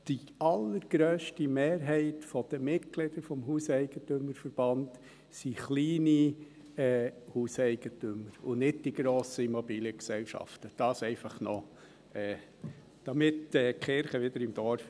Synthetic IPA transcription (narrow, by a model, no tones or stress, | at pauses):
d̥i | ɑlːəɾɡ̥ɾøːʃtimeːɾɦɛɪtfɔd̥̪əmɪtɡ̥lɪd̥əɾfɔmɦuːsɛɪɡ̥ətøməɾfəɾb̥ɑnd | siχliːni | ɛːhuːsɛɪɡ̥ətʏməɾʊnɪd̚d̥iɡ̥ɾoːsəimɔbiːljəksɛlʃɑ̰ftəd̥ɑːsɛɪfɑχnɔ | ɛː | d̥ɑmɪtɛːkχɪɾχəʋɪd̪əɾɪmd̥ɔɾf